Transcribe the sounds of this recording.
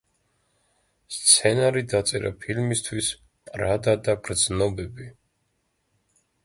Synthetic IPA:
st̪sʰɛnaɾid̪at̪sʼɛ̰ɾa̰pʰilmist̪ʰwisʼ | ɾad̪ad̪aɡɾd̪znɔbɛbi

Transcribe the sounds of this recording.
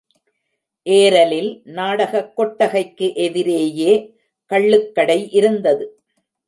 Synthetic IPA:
ʔeːɾɐlɪlnaːɽɐɣɐkːɔʈːɐɣɐɪkːɯʔɛðɪɾeːjeː | kɐɭːɯkːɐɽɐɪʔɪɾɯnd̪ɐðɯ

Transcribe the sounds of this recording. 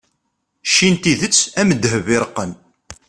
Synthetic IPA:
ʃːint̪iðət͡sːæməd̪ɦəvɪɾəqːən

